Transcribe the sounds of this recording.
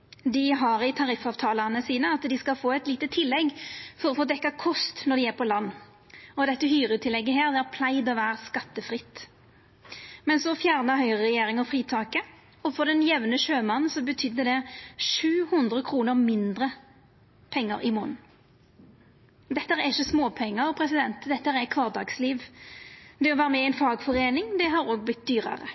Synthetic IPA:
d̪ɪɦɑʁɪt̪ʰɑɾɪfɑːʋt̪ʰɑːlɑʁnəsiːnəɑt̪d̪ɪskɑlfoːɛt̪liːt̪ət̪ʰɪlːɛɡfɔɾɔfoːd̪ɛkːɑkʰɔst̪nɔd̪ɪæːʁpʰɔlɑnː | ɔd̪ɛt̪ːəhyːʁət̪ʰɪlɛɡːəɦeːʁd̪ɛæʁpʰlæɪd̪ɔʋæːɾəskɑt̪ːəfʁɪt̪ː | mɛnsɔfjæːʁnəɦœʏʁəʁɛjeːɾɪŋəfʁiːt̪ʰɑːkə | ɔfɔʁd̪ɛnjɛʋnəʃøːmɑnn̩sɔbət̪ʰʏd̪ːəd̪ɛʂʉːhʊnd̪ʁəkʰɾuːnəʁmɪnd̪ɾə | pʰɛŋːə̰ɾɪmʊn | d̪ɛt̪ːəɾɛɪʃəsmoːpʰɛŋːəɾɔpʰɾɛsɪd̪ɛnt̪d̪ɛt̪ːəæɛkʰʋɑːʁd̪ɑ̰ːɡsliːʋ | d̪ɛɔʋæːʁəmɛɛnfɑːɡfɔʁeːnɪŋd̪ɛɦɑɾoːɡ̚blɪt̪̚d̪yːɾə̰ʁə̰

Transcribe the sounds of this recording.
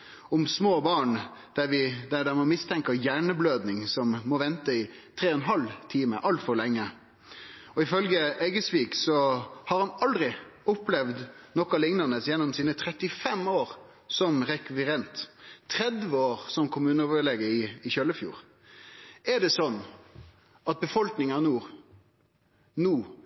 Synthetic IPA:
ɔmsmoːbɑːɳ | d̪̥æɾʋɪd̪æd̪ɛmɔmɪst̪ʰɛŋkɑjæːɳəbløːd̪nɪŋsɔmːɔʋɛnt̪əɪ | t̪ʰɾeːɔnɦɑlt̪ʰiːmə̰ʔɑlt̪fɔɾɭɛŋːə | ɔɪfœlɡəɛɡəsʋiːksɔhɑɾhɑnɑld̪ɾɪʊplɛʋd̪nɔkɑlɪŋnənəsjɛnːɔmsiːnət̪ʰɾɛt̪ːɪfɛmoːʁ | sɔmʁɛkʋɪɾɛnt̪ʰːɾɛd̪ʋəoːʁsɔmkʰʊmʉːnəɔʋəleːɡəɪːçœlːəfjṵːɾ | ɛd̪ɛsɔnː | ɑt̪̚bəfɔlknɪŋɑnuːʁ | nuː

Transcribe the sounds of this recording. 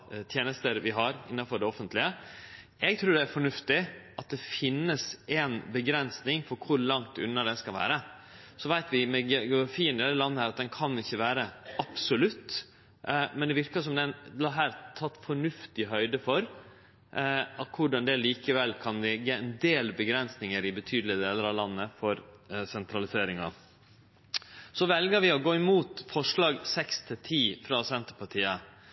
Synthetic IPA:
t̪ʰjeːnəst̪əɾʋɪɦɑɾɪ̰nːɑfɔɖɛɔfənt̪lɪə | ɛɡ̚t̪ʰɾʉːɖɛæɾfɔɳʉft̪ɪʔɑt̪̚d̪ɛfɪnːəsʔɛnbəɡɾɛnsnɪŋfɔɾkʰʊɾlɑŋt̪ʉ̰nːɑd̪ɛskɑlʋæ̰ːɾə | sɔʋæɪt̪ʋɪmɛɡɡfiːənɪd̪ɛlːəlɑnːəhæːɾɑt̪̚d̪ɛnkʰɑnːɪçːəʋæːɾəɑpsʊlʉt̪ː | mɛnd̪ɛʋɪɾkəʂɔmd̪ɛnlɑɦæːɾt̪ʰɑt̪ːfɔɳʉft̪ɪɦœʏd̪əfɔɾ | ɑkʰʊɖɑnd̪ɛliːkəʋɛlːkʰɑnlɛɡəɛnd̪eːlbəɡɾɛnsnɪŋəɾɪbət̪ʰyːd̪l̩ɪəd̪eːləɾɑʋlɑnːəfɔɾsɛnt̪ʰɾɑlɪseːɾɪŋɑ | sɔʋɛlɡəɾʋɪɔɡoːɪmuːt̪fɔʂɭɑːɡsɛkst̪ʰɪt̪ʰiːfɾɑsɛnt̪əɾpɑʈʰiːə

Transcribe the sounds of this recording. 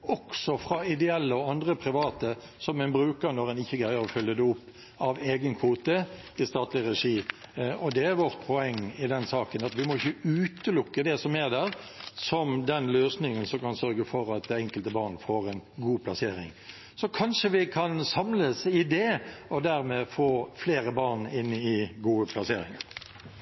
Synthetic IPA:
ɔksɔfɾɑɪd̪ɛɛlːəɔɑnd̪ɾəpʰɾɪʋɑːt̪ə | sɔmɛnbɾʉːkəɾnɔɾɛnɪçːəɡɾæɪəɾɔfœljəd̪ɛʊpː | ɑʋeːɡənkʰʋuːt̪ə | ɪst̪ɑːt̪lɪɾɛʂiːɔd̪ɛæɾʋɔʁt̪̚pʰɔɛŋːɪd̪ɛnsɑːkənɑt̪ʋɪmɔɪçːəʉːt̪əlʊkːəd̪ɛsɔmæɾd̪æːɾ | sɔmd̪ɛnløːsnɪŋənsɔmkɑnsœɾɡəfɔɾɑt̪̚d̪ɛɛŋkəlt̪əbɑːʁnfoːɾɛnɡuːpʰlɑseːɾɪŋ | sɔkʰɑnʂəʋɪkʰɑnsɑmləsɪd̪ɛɔd̪æɾmɛfoːfleːɾəbɑːʁnɪnɪɡuːəpʰlɑseːɾɪŋən

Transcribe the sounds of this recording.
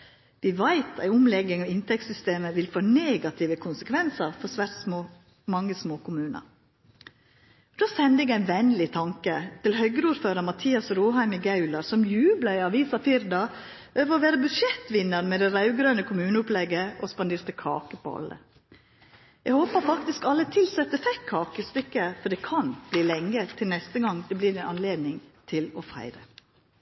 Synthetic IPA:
d̪̥ɪʋæɪt̪æ̰ɪʊmlɛɡɪŋɑʋɪnt̪ʰɛk̚t̪sʏst̪eːməʋɪlfoːneːɡɑt̪ʰɪːʋəkʰʊnsəkʰʋɛnsəɾfɔɾsʋæɾsmoː | mɑŋːəsmoːkʰʊmʉːnə̰ɾ | d̪̥oːsɛnd̪əɪɡæɪnʋɛnlɪt̪ʰɑŋkət̪ɪlhœɡəɾuːɾføːɾəɾmɑt̪ʰiːɑsɾuːɦæɪmɪɡɑʉlɑɾsɔmjʉːblɑɪɑʋiːsɑfɪɾd̪ɑ | ʔøːʋəɾɔʋæːɾəbʉʂɛt̪ʋɪnːəɾmɛd̪ɛɾɑʉɡɾøːnəkʰʊmʉːnəʊplɛɡəʔɔspɑnd̪eːɾt̪əkʰɑ̰ːkəpʰɔ̰ɑ̰lːə̰ | ɛɡhoːpəɾfɑkt̪ɪskɑlːət̪ʰɪlsɛt̪ːəfɛkkʰːɑːkəst̪ʏkːəfɔɖɛkʰɑnb̥liːlɛŋːət̪ʰɪlnɛst̪əɡɑŋd̪ɛblɪːd̪ɛnʔɑnleːd̪nɪŋt̪ʰɪlɔfæ̰ɪɾə

